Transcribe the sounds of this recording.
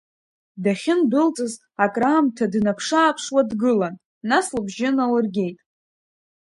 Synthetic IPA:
daχʲɪndɨlt͡sʼɨz | akʼraːmtʰadnapʰʂaːpʰʂwadɡɨlanː | aslabʒɪnalɨrɡʲe̞jtʼ

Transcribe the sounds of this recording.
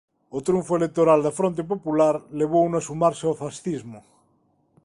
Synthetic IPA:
ot̪ɾuɱfoelek̚t̪oɾald̪afɾont̪̬ep̬opulaɾleβ̞ounoasumaɾseofasθizmo

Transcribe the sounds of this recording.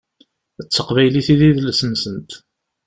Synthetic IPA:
ət͡sːəqvæjliθiðiðlsənsənt̪

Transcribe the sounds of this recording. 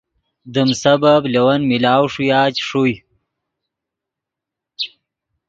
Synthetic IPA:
d̪əmsɐbablɐwɐnmilaːwʂujaːt͡ɕʂuj

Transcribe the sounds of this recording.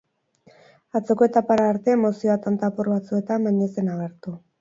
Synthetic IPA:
at͡se̞ko̞et̪apaɾaːɾt̪e̞ːmo̞sioat̪ant̪aporβat͡sue̞t̪ambajɲese̞naɣe̞ɾt̪u

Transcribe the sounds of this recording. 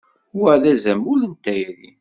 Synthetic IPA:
əʕðæzæmʊlənt̪æjɾi

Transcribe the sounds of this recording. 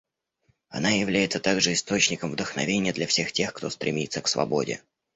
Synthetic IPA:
ɐ̰najɪvlʲæjɪt̪sət̪aɡʐɨɪst̪o̞t͡ɕnʲɪkəmvd̪əxnɐ̰vʲenʲɪjəd̪lʲɐfsʲe̞xtʲe̞xkt̪o̞st̪ɾʲɪ̰mʲit̪səksvɐ̰bo̞̰dʲɪ̰

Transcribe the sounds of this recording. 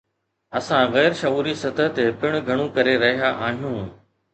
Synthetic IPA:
ɐsãɣɛːɾʃɐuːɾisɐt̪ət̪epɪɽ̃ɡʱɐɽ̃ũkɐɾeɾɐɦijaʔaːɦijũː

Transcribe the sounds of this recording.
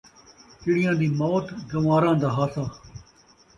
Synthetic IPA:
tɪɽɪjãːd̪iːmoːʈɡəʋaːɾãːd̪aːɦaːsaː

